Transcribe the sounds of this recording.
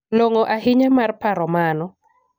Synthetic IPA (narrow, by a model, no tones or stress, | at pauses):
loŋoʔahɪɲamarpaɾɔmanɔ